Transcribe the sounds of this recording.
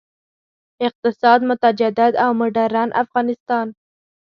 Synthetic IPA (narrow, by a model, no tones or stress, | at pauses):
ɪq̚t̪ɪsɑd̪mʊt̪ad͡ʒad̪ɪd̪awmʊɖaɾanʔa̰fɣɑnɪst̪ɑn